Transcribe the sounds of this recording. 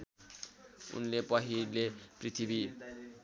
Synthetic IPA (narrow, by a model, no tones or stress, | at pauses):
ṵnlepʌɦileprit̪ʰibi